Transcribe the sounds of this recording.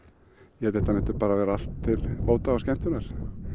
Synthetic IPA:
jɛɛt̪ɛht̪amɛht̪ʏɾpaːɾavɛːɾaal̥t̪ʰːɪloːwt̪aawskcɛm̥t̪ʏnaɾ̥

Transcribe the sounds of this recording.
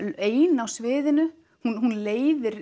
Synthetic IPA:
eːjnawsvɪːðɪnʏ | hunɦunleːjðɪɾ

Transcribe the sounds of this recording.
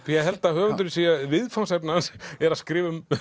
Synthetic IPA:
jɛɦɛlt̪ahœːɾant̪ʏɾsijavɪðfawnsɛpnansɛɾaðskɾɪːvʏm

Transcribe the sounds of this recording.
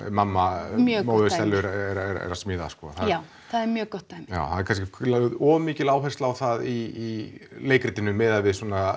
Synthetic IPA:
mamːamjœmoːðʏsɛlːʏɾɛɾɛɾɛ̰ɾasmɪːða̰skɔ̰θaaw | θaðɛɾmjœːkɔht̪ːajmja̰ːwθanɛɾkʰans̬cɪaðɔːmiːcɪlaːwɦɛst̪lawθaðiː | leːjkɾɪt̪ɪnʏmːɛðavɪðswɔːna

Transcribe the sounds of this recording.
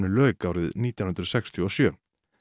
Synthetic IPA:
nʏlœːkawɾɪðniːt̪jawnhʏnɾsɛkst̪ʰiɔsjœː

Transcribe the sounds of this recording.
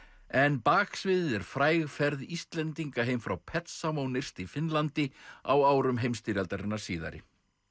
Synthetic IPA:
ɛnpaːksvɪðɛɾ̥fɾaːjɣfɛɾðist̪lɛnt̪iŋkaɦejmfɾawpʰɛt̪samownɪr̥st̪ifɪnlant̪ɪa̰waːwɾʏmɦejmst̪iɾalt̪aɾɪnːaɾ̥siːða̰ɾɪ̰

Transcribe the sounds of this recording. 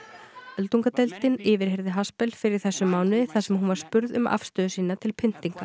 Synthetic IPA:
œlt̪uŋkat̪ɛlt̪ɪnɪːvɪɾ̥ɦɛɾðɪɦaspɛlfɪɾɪɾ̥θɛsːʏmaːwnɪθasɛmɦunvaɾ̥spʏɾðʏma̰fst̪œːðʏsiːnat̪ʰɪlpʰɪn̥t̪iŋka

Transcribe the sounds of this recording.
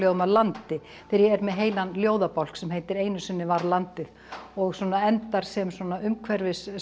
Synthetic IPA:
lɛɣʏmaðlant̪ɪ | θɪɾjɛɛɾmɛðɦeːjlanljoːwðapawl̥ksɛmɦejt̪ɪɾeːjnʏsʏnːɪvaɾlant̪ɪð | ɔɣswɔːnaɛnt̪aɾ̥sɛmswɔnaʏmkʰvɛɾvɪs

